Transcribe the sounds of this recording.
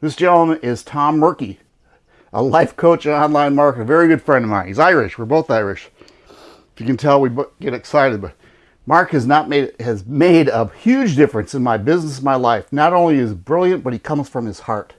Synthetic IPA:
ðɪsd̥ʒ̥ɛ̃nl̩ˠmə̃nɪz̥tʰɑ̃mːɜ˞ki | ʔə̰laɪfkʰoʊt͡ʃɑ̃nlãɪ̃nmɑɹkɨvɛɹiɡʊd̥fɹɛ̃ndʌvmaɪhizaɪɹɨʃwəɹboʊθaɪɹɨʃ | ɪfjɨkɨ̃ntʰɛlˠwibɡ̥ɛɾɨksaɪɾɨd̚bʌt̚ | mɑɹkhɨznət̚meɪɨzmeɪɾəhjʉd͡ʒdɪfɹɨ̃nsɨ̃nmaɪbɪznəs̬n̩maɪlaɪfnəɾõʊ̃nliɨzbɹɪlˠjɨ̃nb̥ʌt̚hikʰʌ̃mz̥fɹʌ̃mɨz̥hɑɹt̚

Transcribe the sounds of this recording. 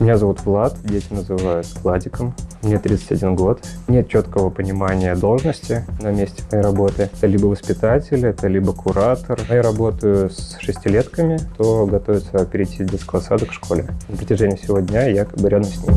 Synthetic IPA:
mʲɪnʲazɐvut̪vlˠat̪dʲetʲɪnəzɨvajʊt̪klˠadʲɪkəmmnʲet̪ɾʲit̪sə̥tʲɐdʲinɡo̞t̪nʲe̞t̪̚t͡ɕot̪kəvəpənʲɪmanʲɪjəd̪o̞lˠʐnəsʲtʲɪnɐmʲesʲtʲɪmɐjejɾɐbo̞t̪ɨɛt̪əlʲibəvəspʲɪt̪atʲɪlʲɛt̪əlʲibəkʰʊɾat̪ərjaɾɐbo̞t̪əjʊsʂɨsʲtʲɪlʲe̞t̪kəmʲɪt̪oɡɐt̪o̞vɪt̪səɐpʲɪɾʲɪjtʲːidʲetskəɐsad̪əkfʂko̞lʲɪ̰nəpɾətʲɪʐɛnʲɪjfsʲɪvo̞dʲnʲajakɐbɨɾʲad̪əmsʲnʲim

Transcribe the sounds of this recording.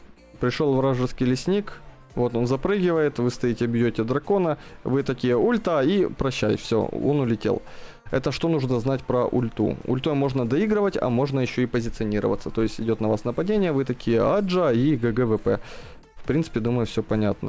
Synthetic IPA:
pɾʲɪʂolˠvɾaʐɨrskʲɪjlʲɪsʲnʲik | vo̞t̪o̞nzɐpɾɨɡʲɪvəjɪt̪vɨst̪ɐitʲɪɐbʲjotʲɪd̪ɾɐko̞nəvɨt̪ɐkʲijəulʲt̪aipɾɐɕːæjfsʲo̰o̰nʊlʲɪtʲḛlˠ | ɛ̰t̪əʂt̪o̞nuʐnəznatʲpɾəʔʊ̰lʲt̪ṵʊ̰lʲt̪omo̞ʐnəd̪ɐiɡɾəvətʲɐ̰mo̞ʐnəjɪɕːo̞ɪpəzʲɪt̪sɨɐnʲiɾə̰və̰t̪sət̪o̞jɪsʲtʲɪdʲo̞t̪nɐvasnəpɐdʲenʲɪjəvɨt̪ɐkʲijəad͡ʐəiɡəɡɛvɛpɛ | fpɾʲintsɨ̥pʲɪd̪uməjʊfsʲopɐnʲat̪̚nə̰

